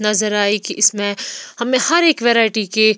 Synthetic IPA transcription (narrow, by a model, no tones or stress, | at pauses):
nɐzəɾaːikiʔɪsmẽhɐmẽhɐɾeːkʋeːɾaːɪʈike